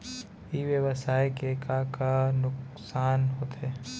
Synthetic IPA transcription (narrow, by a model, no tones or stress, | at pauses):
iːʋjəʋəsaːjkekakanʊksaːnɦoːt̪ɦeː